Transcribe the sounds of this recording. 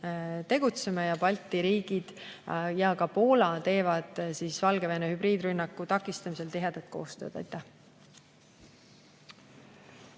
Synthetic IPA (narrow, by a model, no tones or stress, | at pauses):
t̪e̞ɡ̥ut̪se̞mejɑpɑlt̪ːˑiɾiːɡ̥id̪̥jɑkɑpo̞ːlɑt̪e̞ːvɑd̪̥siːsvɑlɡ̥e̞venehybriːd̪rynːɑkːˑut̪ɑkːˑist̪ɑmis̬e̞lt̪iɦe̞d̪̥ɑt̪̚ko̞̰ːst̪ø̞ːd̪̥ɑ̰jt̪ːˑæh